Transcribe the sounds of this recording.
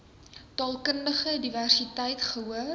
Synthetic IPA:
tɑːlˠkəndəχədiværsitɛjtχəɦuə

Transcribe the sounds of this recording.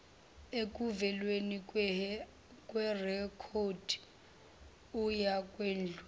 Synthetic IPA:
ekʼuvɛlweni | kʼwɛrɛkʰod̥ʱ | ujakʼweːnd͡ɮʱɛ

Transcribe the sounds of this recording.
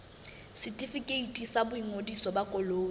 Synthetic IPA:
sɪtʼifikʼeitʼisabʊiŋodisɔbakʼɔloː

